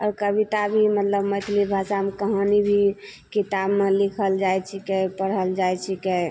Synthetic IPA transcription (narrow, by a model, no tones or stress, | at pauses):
ɔ̰ːɾkəbit̪abʱimət̪ləbmət̪ʰlibʱasamkəɦənibʱi | kit̪abmelikʰəld͡ʒajt͡ʃʰikɛpəɽɦəld͡ʒajt͡ʃʰikɛ